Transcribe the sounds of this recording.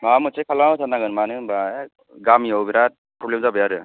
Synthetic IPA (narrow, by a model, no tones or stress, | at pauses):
mamɯsakʰalatʰanaɡɯnmanɯba | ɡamiɔwbiɾat̚pɾɔblemzabɯjaɾɯ